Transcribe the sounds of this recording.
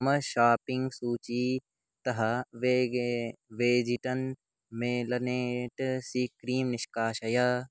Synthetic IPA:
mɐʃaːpɪŋɡsuːt͡ʃi | t̪ɐɦɐʋe | ʋeːd͡ʒiʈɐn | meːlɐneːʈsikɾiːmnɪʃkaːʃɐjaː

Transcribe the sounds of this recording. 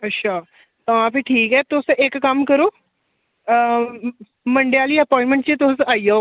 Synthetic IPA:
ətːɕʰa | t̪əʋ̤ãpiʈʰiːkɦɛt̪osʔeːkːəmkəɾoː | məɳɖejaliːəpɔɪ̃ɳʈmẽɳʈt͡ɕit̪osaːija

